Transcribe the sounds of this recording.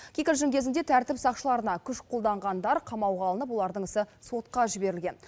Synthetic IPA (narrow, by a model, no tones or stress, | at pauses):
kʲʰikʲɪɾʒɪŋkʲʰe̞zɪnd̪e̞t̪ʰæɾt̪ɪpsɑqʃəlˠɑɾənɑkʲʰʏʃqʰo̞lˠd̪ɑɴʁɑnd̪ɑɾqʰɑmɑwʁɑlˠənəp̬wo̞lˠɑɾd̪əɴŋɪsɪso̞t̪qɑʒɪbe̞ɾɪlɡʲe̞n